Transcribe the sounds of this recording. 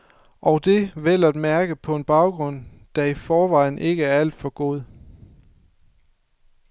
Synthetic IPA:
ʔɒ̽ʊd̥e̝ʋel̰ɐd̥mæɐɡ̥əpʰɒ̽e̝nb̥ɑ̈ʊɡ̥ʁɔ̽n̰d̥æifɒːʋɑ̈ɪ̰n̩e̝ɡ̥əæɐæl̰d̥fɒ̽ɡ̥o̝ð̞ˠ

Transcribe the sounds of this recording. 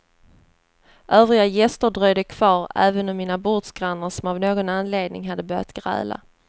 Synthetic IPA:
ʔœːvɾɪɡajɛst̪əɖɾœjd̪əkʰv̥ɑːɾæ̰ːvənɔmːiːnabʊʈ̪sɡ̥ɾanːəɾʂɔmavnoːɡɔnanleːd̪nɪ̰ŋɦad̪ːəbœːɾja̰t̪ɡ̥ɾɛ̰ːla̰

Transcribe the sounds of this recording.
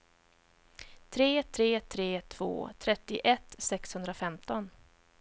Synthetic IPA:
t̪ʰɾeːt̪ʰɾeːt̪ʰɾeːt̪ʰv̥o̰ːt̪ʰɾɛt̪ːɪʔɛt̪ːsɛkshɵnd̪ɾafɛmt̪ɔn

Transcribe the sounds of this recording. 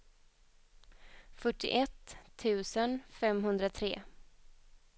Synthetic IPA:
fœʈːɪ̰ʔɛt̪ʰːʉ̟ːsənfɛmɦɵnd̪ɾat̪ʰɾeː

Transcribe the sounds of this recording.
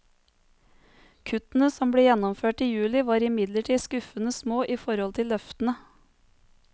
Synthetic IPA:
kʰʉt̪n̩əsɔmbɽeːjɛnɔmføːʈiːjʉːlɪʋɑːɾɪmɪd̪ləʈʰiːskʉfənəsmoːʔiːfɔɾɔlt̪ʰɪllœft̪n̩ə

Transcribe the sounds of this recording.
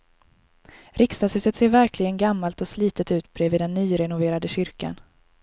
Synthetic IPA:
ɾʔɪkst̪ashʉ̟ːsət̪seːɾvæɾklɪɡənɡamːalt̪ɔsliːt̪ət̪ʉ̟ːt̪bɾɛːviːd̪ɛnːyːɾɛnʊveːɾad̪əɕʏɾka̰n

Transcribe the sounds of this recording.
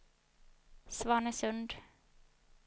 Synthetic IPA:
svɑːɳəsɵnd̪

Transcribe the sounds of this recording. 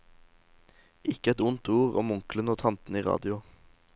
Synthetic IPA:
ʔɪkəɛt̪ʊnt̪uːʁo̰ːmʊŋklənoːt̪ʰɑnt̪n̩iːʁɑ̰ːd̪ɪʊ

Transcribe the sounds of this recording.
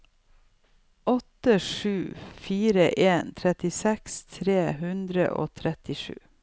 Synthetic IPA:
ʔɔt̪əʂʉːfiːɾəʔeːnt̪ʰɾɛt̪ɪsɛkst̪ʰɾeːhʉnd̪ɾə̰ʔo̰ːt̪ʰɾɛt̪ɪʂʉ̰ː

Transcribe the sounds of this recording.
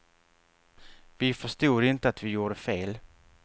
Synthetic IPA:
vɪfœʂt̪uːɾɪnt̪əat̪vɪjuːɖəfeːl

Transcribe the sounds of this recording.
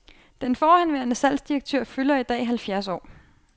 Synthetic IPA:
d̥enfɒːhænʋeːɐnəsæl̰sd̥ieɡ̥̚t͡sʰøɐ̰fylɐid̥ɛ̰ːiɦælfjæɐs̬ɒ̰ː

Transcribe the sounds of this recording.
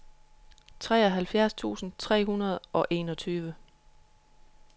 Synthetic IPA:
t͡sʰʁɛ̰ːɒɦælfjæɐst͡sʰṵːsn̩t͡sʰʁɛ̰ːɦunɐð̞ˠʔɒ̽ʔe̝̰ːnɒ̽t͡sʰyːʋə

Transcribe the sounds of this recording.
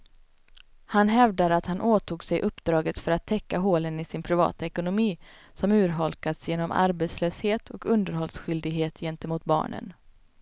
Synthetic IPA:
hanɦɛvd̪aɾat̪hanʔoːt̪ʰuːɡsɛjʔɵpːd̪ɾɑːɡət̪fœɾat̪ʰːɛkːaɦoːlənɪsɪnpʰɾɪvɑ̰ːt̪aɛkʊnʊmiː | sɔmʉ̟ːɾɦɔlkasjeːnɔmʔa̰ɾbeːt̪sløːsheːt̪ʰɔkɵnd̪əɾhɔlsɧʏld̪ɪɡɦeːt̪ʰjɛnt̪əmuːt̪̚bɑ̰ːɳə̰n

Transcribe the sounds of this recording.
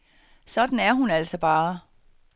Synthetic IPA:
sɒ̽d̥n̩æɐɦunæl̰sɒ̽b̥ɑ̈ː

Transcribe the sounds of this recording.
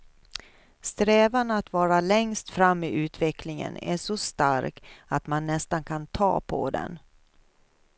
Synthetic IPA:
st̪ɾɛːvanat̪vɑːɾalɛŋst̪fɾamːɪʔʉ̟ːt̪vɛkʰlɪŋə̰næ̰ʂɔst̪a̰ɾkat̪manːɛst̪ankʰant̪ʰɑ̰ːpʰɔ̰d̪ɛ̰n

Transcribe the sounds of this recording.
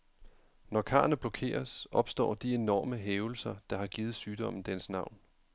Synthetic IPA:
nɒkʰɑ̰̈ːnəb̥lɒkʰe̝̰ːɐsʔɒ̽b̥sd̥ɒ̰ːd̥ie̝nɒ̰ːməɦeːʊl̩sɐd̥ɑ̈ɦɑ̈ɡ̥iːð̩ˠsyːd̥ɒ̽m̰n̩d̥enəsnɑ̈ʊ̰n

